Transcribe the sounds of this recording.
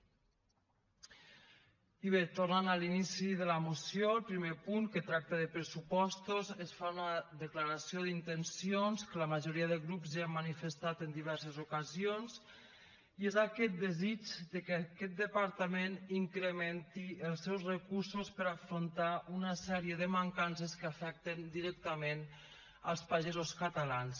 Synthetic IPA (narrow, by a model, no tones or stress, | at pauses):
iβ̞et̪ornanalinisiðələmusjolˠpɾimepuŋkət̪ɾak̚t̪əðəpɾəsupɔst̪ozəsfaunəðəklaɾasioðint̪ənsionskələməʒoɾiəðəɣɾupziamːənifəst̪at̪ənd̪iβ̞ɛɾsəzukazions | iezakɛt̪̚d̪əzit͡ʃd̪əkkɛt̪̚d̪əpaɾt̪əmeniŋkɾəmɛnt̪iəlˠsɛwsrəkuɾsospəɾafɾont̪aʔunəsɛɾiəðəmaŋkansəskəafɛk̚t̪ənd̪iɾɛk̚t̪əmen | əlˠspaʒezoskət̪əlans